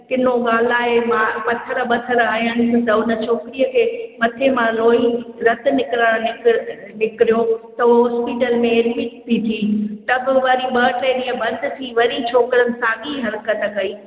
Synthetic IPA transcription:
kɪnoɠaːl̤aːɦemaːmɐt̪ʰəɾɓɐt̪ʰəɾaːɦijəñɪ̆sɪ̆t̪ɐʊnə̆t͡ɕʰoːkɪɾiəkʰeːmɐt̪ʰemãloːiɾɐt̪ʰɪ̆nɪkɾaɽ̃nɪ | nɪkɪɾijot̪ɐɦuɦɔːspiːʈəlmẽɪlmiːtt̪ʰit̪ʰiːʈɐɡ̆ʋaːɾiɓɐːʈeːniːə̃bɐ̃nd̪ʱɪ̆t̪ʰiʋɐɾit͡ɕʰoːkɪɾənɪ̆saːɠiɦɐɾkət̪kɐiː

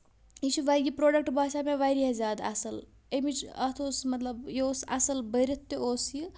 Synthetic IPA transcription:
it͡ʃʰiʋaɡipɾoːɖɐk̚ʈbʱaːʃameʋajɾiɦezaːd̪ɐ̰sɐl | emit͡ʃɐt̪ʰoːsmɐt̪lɐbjosɐ̰sɐlbəɾit̪ːioːsji

